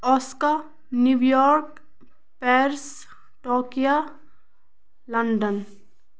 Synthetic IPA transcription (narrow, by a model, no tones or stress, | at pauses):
ɔska | njuʋjɔːɾk | pɛːɾs | ʈoːkija | ləɳɖən